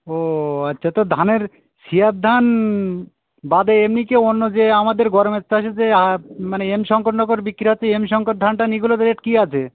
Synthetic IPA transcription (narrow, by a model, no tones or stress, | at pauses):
oatːɕʰat̪od̪ʱaneɾ | ʃiat̪̚d̪ʱan | bad̪eemnikeonːod͡ʑeamad̪eɾɡɔɾomest̪ʰaʃed͡ʑeamaneemʃɔŋkoʈnɔk̬oɾbikːɾiɦoːeemʃɔŋkoʈ̚d̪ʱanʈaniɡulot̪ɾeʈkiat͡ɕʰe